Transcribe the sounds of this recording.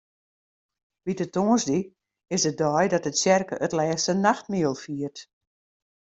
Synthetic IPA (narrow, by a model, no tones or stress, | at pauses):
ʋitətoːənsdi | ɪsdədɔjdɔtətsɛrkə̰ʔətlɛːstənaxt̚miəlˠfiːərt